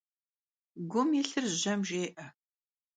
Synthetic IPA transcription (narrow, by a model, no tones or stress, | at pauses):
ɡʷʊmjɪɬɨrʑɐmʒeːʔɐ